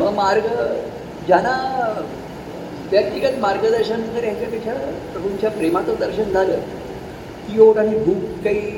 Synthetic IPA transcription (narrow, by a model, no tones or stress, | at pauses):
ʋəmaɾɡə | d͡ʑana | ʋjək̚t̪iɡət̪maɾɡəd̪əɾɕənənk̪əɾjat͡sat̪it͡ɕʰapɾəkʰuɲt͡ɕjapɾemat͡s̪od̪əɾɕənd͡zʱaləː | kioʈaɦibʱuːkːaiː